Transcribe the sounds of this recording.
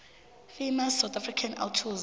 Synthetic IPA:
fimasawt̪ʰʼafrikʰana̰ltʰuz

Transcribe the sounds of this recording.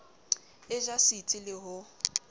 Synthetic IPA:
ɪʒasit͡sʼɪlɪɦʊ

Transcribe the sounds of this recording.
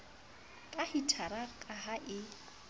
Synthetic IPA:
kʼahitʰaɾakʼaɦaʔɪ

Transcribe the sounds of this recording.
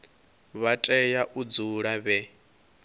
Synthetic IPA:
βatʼɛjaʔud͡zuɺaβɛ

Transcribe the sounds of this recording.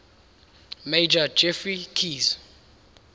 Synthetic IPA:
mejd͡ʒḁd͡ʒɛfrikʰiz

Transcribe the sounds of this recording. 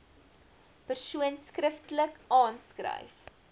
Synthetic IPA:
pərsuənskrəftləkʔɑːnskrə̰jf

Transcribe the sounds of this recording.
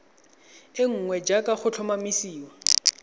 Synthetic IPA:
ɪŋ̩ŋwɛd͡ʒakʼaχʊt͡ɬʰʊmamisiːwa

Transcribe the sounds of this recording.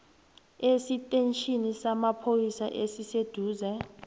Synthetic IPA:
esitʼent͡ʃʰʼinisamapʰojisa̰ʔesised̥ʱuːzɛ

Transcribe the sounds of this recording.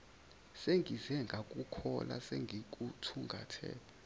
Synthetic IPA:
seŋʱizɛŋɡʱakʼukʰɔla̰seŋɡʱik̬ʼutʰuŋɡʱatʰɛ̰ː

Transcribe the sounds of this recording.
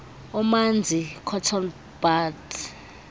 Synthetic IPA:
ɔmand͡zʱikʰɔtʰɔn | b̥at

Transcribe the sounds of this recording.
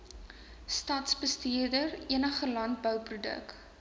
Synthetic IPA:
stɐtsbəstiədəriənəχəlɐnt̚bœwprudə̰k

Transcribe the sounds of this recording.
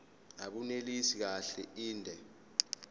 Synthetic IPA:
aɓunelisik̬aɬɛʔiːndʱɛ

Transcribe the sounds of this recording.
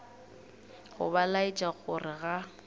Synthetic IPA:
ɣʊ̰balait͡ʃʼaɣʊrɪɣa

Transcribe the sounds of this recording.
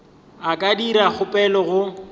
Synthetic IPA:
akʼadiɾak͡xʰʊpʼɛlɔɣʊ

